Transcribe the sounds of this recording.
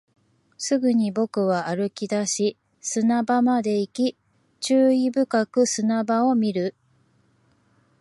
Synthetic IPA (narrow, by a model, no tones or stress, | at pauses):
sɨɡɯ̟ɲ̟ibo̞kɯ̟βaaɾɯ̟kʲid̪aɕi | sɨnabamad̪e̞ikʲi | t͡ɕɨːibɯ̟kakɯ̟sɨnabao̞mʲiɾɯ̟